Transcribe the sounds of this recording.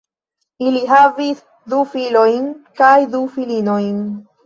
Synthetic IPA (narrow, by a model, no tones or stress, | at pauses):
iliɦavis | d̪ufilo̞jnkajd̪ufilino̞jn